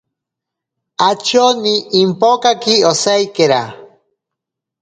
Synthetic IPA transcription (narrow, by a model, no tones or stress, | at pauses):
at͡ʃoniʔːmpokakiosajkeɾa